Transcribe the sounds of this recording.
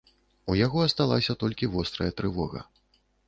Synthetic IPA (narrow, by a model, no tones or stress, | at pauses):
ujaɣɔɐst̪alˠa̰sʲɐt̪ɔlʲkʲivɔst̪ɾɐjɐt̪ɾɨvɔɣɐ̰